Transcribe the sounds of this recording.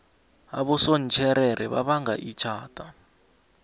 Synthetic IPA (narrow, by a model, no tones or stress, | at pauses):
aβɔsɔn̩t͡ʃʰɛɾɛɾʔɛβa̰βaŋɡa̰ʔit͡ʃʰaːtʼa